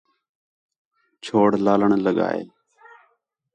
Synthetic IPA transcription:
t͡ʃʰoːɽlaːləɳləɠa̰ːḛː

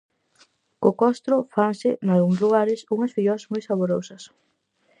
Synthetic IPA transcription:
kʊkɔst̪ɾʊfansɪnalɣuŋsluɣaɾɪsuŋɐsfiʎɔɐzmojsaβoɾosɐs

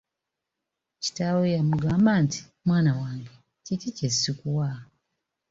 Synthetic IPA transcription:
ci̥tawojamuɡaːmbaːnti̥ | mwaːnawaːŋɡe | cicicesːikuwa

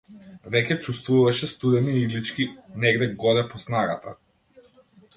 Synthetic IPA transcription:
vɛcʲɛt͡ʃust̪vuvaʃɛst̪ud̪ɛniiɡlit͡ʃkʲinɛɡd̪ɛɡɔd̪ɛpɔsnaɡat̪a

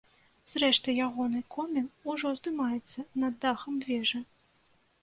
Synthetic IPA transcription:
z̥rɛʂt̪ɨjaɣɔnɨkʰɔmʲɛnuʐɔzd̪ɨmajɛt̪sːɐnɐd̪ːaxɐmvʲɛʐɐ

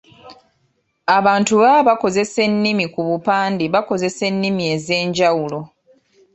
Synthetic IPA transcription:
aβaːntuβaβako̞ze̞se̞nːimikuβupaːndiβako̞ze̞se̞nːimie̞ze̞ːɲɟawulo̞

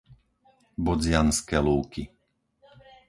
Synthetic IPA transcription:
bɔd͡zɪanskɛːluːki

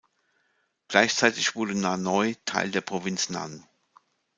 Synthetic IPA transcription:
ɡ̥laɪçt͡saɪtɪçv̥ʊɐdənanɔʏtʰa̰ɪldeːɐpʁ̥ovɪnt͡sna̰n

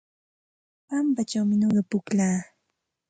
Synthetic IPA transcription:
pampat͡ʃawmɪɲoɢɑpʊklaː

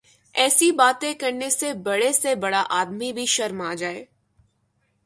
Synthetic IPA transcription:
ɛːsibaːt̪ẽkɐɾnesebɐɽesebɐɽaʔaːd̪mibʱiʃɐɾmaːd͡ʒaːḛː

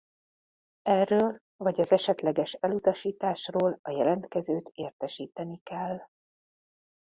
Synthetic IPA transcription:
ɛrːøːl | vɒɟɒzɛʃɛt̪lɛɡɛʃɛlut̪ɒʃiːt̪aːʃroːlɒjɛlɛnt̪kɛzøːt̪eːrt̪ɛʃiːt̪ɛnikɛlː

